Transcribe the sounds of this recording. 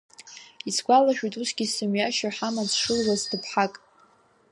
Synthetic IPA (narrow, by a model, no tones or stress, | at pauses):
isɡʷalaʃᶣujtʼusɡʲisɨmɥjaʃaħamat͡sʰʂɨlwazdɨpʰħakʼ